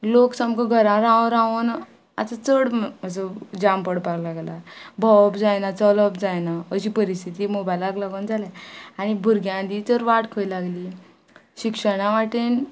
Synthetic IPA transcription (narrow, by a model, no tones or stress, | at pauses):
loksəmkəɡʱəɾãɾãʋɾãʋon | a̰t͡sat͡səɽəs̬əd͡ʑampəɽpaɾlaɡlabʱɔwbd͡zajnat͡sɔləpd͡zajnaəɕiːpəɾist̪ʰit̪imɔbajlaɡlaɡənd͡zʱalɛ̃aɽ̃ibʱuɾɡjãd̪it̪əɾʋaʈkʰəjlaɡli | ɕikʂəɽ̃ãʋaʈen